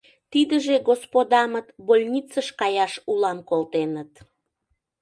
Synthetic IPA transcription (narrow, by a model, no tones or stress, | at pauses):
t̪id̪əʒeɣospod̪ɑmət̪bolʲnʲit͡səʃkɑjɑʃulɑmkolt̪enət̪